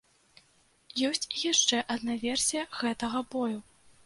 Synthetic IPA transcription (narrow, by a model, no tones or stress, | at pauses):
jɔsʲt͡sʲjaʂt͡ʂɛʔɐd̪navʲɛrsʲijɐɣɛt̪ɐɣɐbɔju